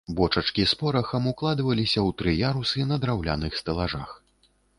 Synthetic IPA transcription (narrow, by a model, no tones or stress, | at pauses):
bɔt͡ʂɐt͡ʂkʲispɔɾɐxɐmuklˠad̪vɐlʲisʲɐwt̪ɾɨjaɾusɨnɐd̪ɾawlʲa̰nɨxst̪ɐlˠaʐa̰x